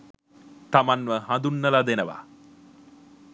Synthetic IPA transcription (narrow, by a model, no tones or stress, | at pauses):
t̪amanʋəɦãnd̪unːəlad̪enəʋa̰